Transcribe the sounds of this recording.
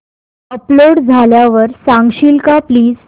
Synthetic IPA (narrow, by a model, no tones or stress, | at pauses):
əploɽd͡zʱaljaʋəɾsãŋɡɕilkapliːd͡z